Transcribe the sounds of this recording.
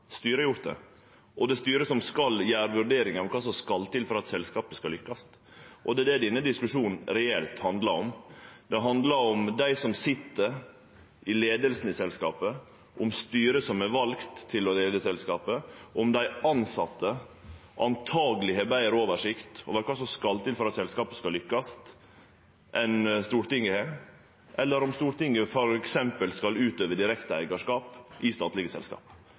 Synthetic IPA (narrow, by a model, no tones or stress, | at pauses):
st̪yːɾəjʊɾt̪d̪ɛ̰ | ʔɔd̪ɛst̪yːɾəsɔmskɑljæːɾʋʉɾɖeːɾɪŋɑkʰɑːsɔmskɑlt̪ɪlfɔɾɑt̪sɛlskɑːpəskɑlʏkːɑst̪ | ʔɔd̪ɛɛd̪ɛd̪ɪnːəd̪ɪskʉʂuːnn̩ɾɛɛlt̪hɑnd̪lɑɾɔmd̪̥ɛɦɑnd̪lɑɾɔmd̪æɪsɔmsɪt̪ːəɾ | ʔɪleːd̪əlsn̩ɪsɛlskɑ̰ːpə | ʔʊmst̪yːɾəsɔmæɾʋɑlkt̪ʰːɪlɔleːd̪əsɛlskɑːpəʔʊmd̪æɪɑnsɑt̪ʰːə | ʔɑnt̪ʰɑːɡlɪhebæɪəɾoːʋəʂɪkt̪ɔ̰ʋæːɾkʰɑsɔskɑlt̪ɪnfɔɾɑt̪sɛlskɑːpəskɑlʏkːɑst̪ | ʔɛnst̪uːɾʈ̪ɪŋːəhe | ʔɛlːəɾɔmst̪uːɾʈ̪ɪŋːəfɔɾɛksɛmpəlskɑlʉːt̪øːʋəd̪ɪɾɛkt̪əæɪɡɑʂkɑːpʔɪst̪ɑːt̪lɪɡəsɛ̰lskɑ̰ːp